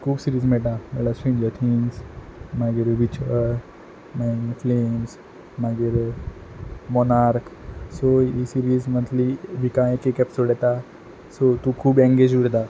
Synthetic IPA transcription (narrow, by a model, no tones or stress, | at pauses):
kʰuːbsiɾiːzmɛʈãmɛlasĩnd͡ʒət̪ʰinsmaɡiɾʋit͡ʃəɾ | maŋfleːms | maɡiɾ | mɔnaɾksoisiɾiːzmə̃nt̪liʋikãekekɛpsoɽɛt̪a | sot̪ukʰuːbɛ̃ŋɡed͡ʒuɽt̪a